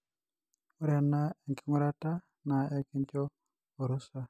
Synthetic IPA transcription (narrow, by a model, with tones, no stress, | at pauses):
u˦ɾa˨nːa˦ɛ˨ŋki˦ŋʊ˦ɾa˦ta˦ | na˨ɛ˦ki˦ɲt͡ʃɔ˦ | o˨ɾu˦sa˨